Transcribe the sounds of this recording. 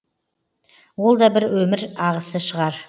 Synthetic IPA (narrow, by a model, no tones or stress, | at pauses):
wo̞lˠd̪ɑbɪɾwɵmɪɾɑʁəsəʃəʁɑɾ